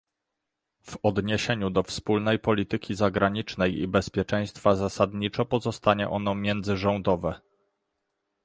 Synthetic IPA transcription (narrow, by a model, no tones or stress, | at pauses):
vɔd̪ɲeɕeɲud̪ɔfspulnɛjpɔlʲit̪ɘkʲizaɡɾaɲit͡ʂnɛjḭbɛspʲjɛt͡ʂɛ̃j̃st̪fazasad̪ɲit͡ʂɔpɔzɔst̪aɲɛ̰ʔɔnɔmʲjɛnd̪zɘʐɔnd̪ɔvɛ